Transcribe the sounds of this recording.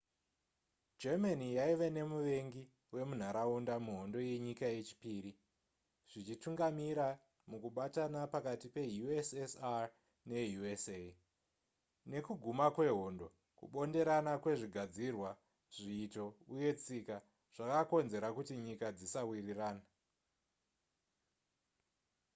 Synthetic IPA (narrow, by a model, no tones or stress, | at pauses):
d͡ʒemanijaiʋe̞ne̞muʋe̞ŋɡi | we̞mun̤aɾaundamuɦo̞ndo̞je̞ɲikaje̞t͡ʃi̥piːɾi | ʐ̥it͡ʃituŋɡamiɾa | mukuɓatanapakatipe̞juesesa | nejuese | ne̞kuɡʱumakwe̞ɦo̞ndo̞ | kṵɓo̞nde̞ɾanakwe̞ʐiɡʱad͡zirwa | ʐ̥iːto̞uje̞t͡sika | ʐ̥akako̞nze̞ɾakutiɲikad͡zisawiriraːna